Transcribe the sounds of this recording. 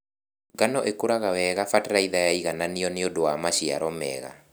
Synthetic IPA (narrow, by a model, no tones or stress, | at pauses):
ɡanɔʔekoɾaɣawɛɣafatɾaiðajaiɣananeɔneodowamaʃia̰ɾɔmɛ̰ɣa̰